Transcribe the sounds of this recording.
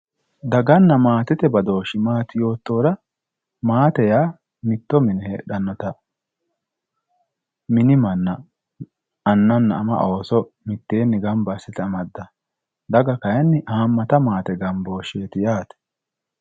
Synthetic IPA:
d̪ɐɡɐnːɐmaːt̪ɪt̪ɛbɐd̪o̞ːʃɪmaːt̪ɪjo̞ːt̪ːo̞ːɾɐ | maːt̪ɛjaː | mɪt̪ːɔmɪnɛhɛ̰ɗɐnːɔt̪ɐ | mɪnɪmɐnːɐ | ɐnːɐnːɐɐmɐ̰ʔo̞ːsɔ | mɪt̪ːe̞ːnːɪɡɐmbɐːsːɪt̪ɛɐmɐd̪ːɐ | d̪ɐɡɐkɐjɛnːɪʔaːmːɐt̪ɐmaːt̪ɛɡɐmbo̞ːʃeːt̪ɪjaːt̪ɛ̥

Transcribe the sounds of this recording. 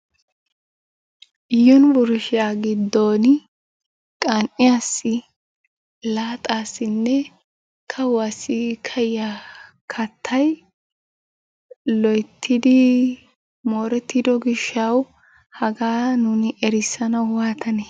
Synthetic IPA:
ɪjɔnbʊɾɪʃɪjaːɡɪd̪ːoːn | kʼaːnʔɪjaːsːɪ | laːt̪ʼaːsːɪnːɛ | kʰɐwasɪkʰɐjja | kʰɐt̪ʰːɐj | lɔjt̪ʰːɪd̪ɪ | moːɾɛt̪ːɪd̪ɔɡɪʃːɐw | hɐɡaːnʊnɪʔɛɾɪsːɐnɐwwaːt̪ʰɐnɛ

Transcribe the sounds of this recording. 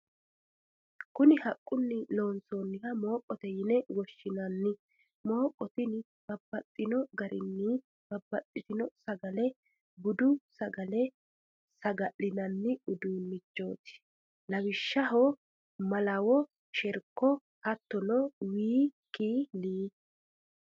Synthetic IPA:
kʊnɪhɐkʼːʊnːɪlo̞ːnsoːnːɪhɐmo̞ːkʼːɔt̪ɛjɪnɛwɔʃːɪnɐnːɪ | mo̞ːkʼːɔt̪ɪn | b̥ɐbːɐt̪ʼːɪnɔɡɐɾɪnːɪ | b̥ɐbːɐt̪ʼːɪt̪ɪnɔsɐɡɐlɛ | bʊd̪ʊsɐɡɐlɛ | sɐɡɐʔɪnɐnːɪʊd̪uːnmɪd͡ʒːo̞ːt̪ɪ̥ | lɐwɪʃːɐɦɔ | mɐlɐwɔ | ʃɛɾkːɔ | hɐt̪ːɔnɔwiːkːiːliː

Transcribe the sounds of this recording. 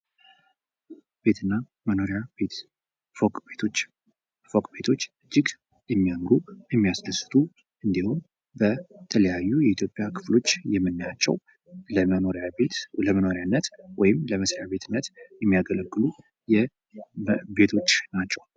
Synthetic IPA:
b̥e̞t̪ʰɨnːa | məno̞ɾijabet̪ | fokʼet̪ʰot͡ʃː | fokʼbe̞t̪ʰo̞t͡ʃːɨd͡ʒːɪɡ | jɛmːijamɾujɛmːijasd̪əsɨ̥t̪ʰu | ʔɨnd̪ihun | bət̪ʰələjajːujɛit̪ʰjo̞pʼːjakʰɨflo̞t͡ʃːjɛmːɨnːjat͡ʃːɛ̰w | ləmənoɾjabet̪ləməno̞ɾjanːət̪wɔjɪmləməsɾjabe̞t̪ʰɨnːət̪jɛmːijaɡələɡːɨlu | jɛ | be̞t̪ʰo̞t͡ʃːnat͡ʃːɛw

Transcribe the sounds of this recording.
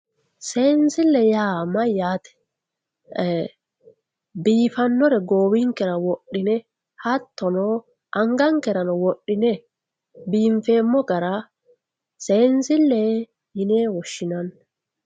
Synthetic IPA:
seːnsɪlːɛjaːmɐjːaːt̪ɛ̥ | biːfɐnːɔɾɛɡoːwiːŋkɛɾɐwɔɗːɪnɛ | hɐt̪ʰːɔnoː | ʔɐŋɡɐŋkɛɾɐnɔwɔɗːɪnɛ | biːɱfe̞ːmːɔɡɐɾa | seːnsɪlːɛ | hɪneːwɔʃːɪnɐn

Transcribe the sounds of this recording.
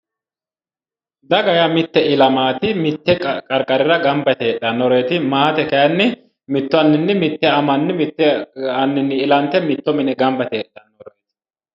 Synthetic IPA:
d̪ɐɡɐjɐmɪt̪ːɛɪlɐmaːt̪ɪmɪt̪ːɛkʼɐɾkʼɐɾɪɾɐɡɐmbɐt̪e̞ːɗːɐnːɔɾeːt̪ɪmaːt̪ɛkɐjɐnːɪ | mɪt̪ːɔɐnːɪnːɪmɪt̪ːɛɐmɐnːɪmɪt̪ːɛɐnːɪnːɪɪlɐnt̪ːɛmɪt̪ːɔmɪnɛɡɐmbɐt̪eːɗːɐnɔɾeːt̪ɪ̥

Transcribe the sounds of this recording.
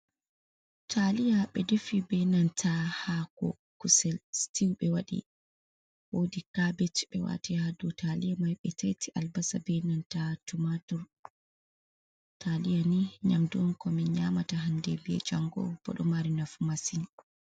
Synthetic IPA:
tʰalijaɓɛdefibɛnantʰahakɔ̰ | kusɛlstiwɓɛwaɗḭ | wodikabet͡ʃɓɛwa̰tɛhadɔtʰalijamajɓɛtajtʰiʔalbasabɛnantatumatɔɾ | tʰalijaniɲamduɔnkɔmiɲamataɦandɛbiɛ̰d͡ʒaŋɡɔ̰b̥ɔ̰ɗɔmaɾinafumasin

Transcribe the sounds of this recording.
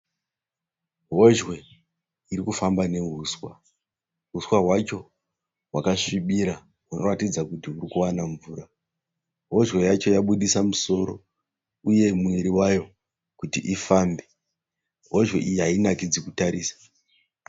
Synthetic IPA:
ɦo̞ʒwe̞ | iɾikufambane̞ɦuswa | ɦuswaɦwat͡ʃo̞ | ɦwakaʂiɓiɾa | wuno̞̰ratid͡zakutiurikuwanaɱvuːra | ɦo̞ʒwe̞jat͡ʃo̞jaɓuɗisamuso̞ɾo̰ | uje̞mwiɾiwajo̞ | kutiʔifambe | ɦo̞ʒwe̞̰ʔijiɦainakid͡zikutaɾiːsḁ

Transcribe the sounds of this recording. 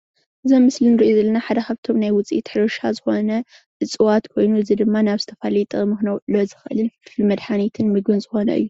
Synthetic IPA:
ʔɨzomːɨslinɨɾiʔjuzɐlːɐnaħad̪ɐkaβt̪ʰo̞mnajwʊt͡sʼḭt̪ħɨɾoʃazɨxo̞nɐ | ʔɨt͡sʼɨwat̪kʰo̞jnuɨzid̪ɨmːanaβzɨt̪ʰɐ̥falit̪ʼɨmɨxnawʔlozɨxɨʔɨ̰lɨnlɨmɐd̪ħanit̪ʰɨnmɨɡɨnzɨxo̞nɐ̰ɨ̰jːu

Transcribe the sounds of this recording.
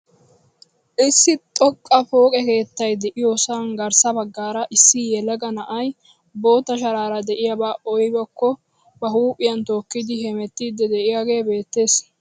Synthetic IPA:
ʔɪsːɪt̪ʼɔkʼːɐpoːkʼɛke̞ːt̪ːɐjd̪ɛʔɪjosaːnɡɐɾsɐbɐɡːaːɾɐʔɪsːɪjɛlɛɡɐnɐʔɐj | bo̞ːt̪ːɐʃ̬ɐɾaːɾɐd̪ɛʔɪjabaːʔɔjbɐkːɔ | bɐhuːpʼːɪjɐnt̪o̞ːkːɪd̪ɪhɛmɛt̪ːiːd̪ːɛd̪ɛʔɪjaːɡe̞ːbe̞ːt̪ːe̞ːs

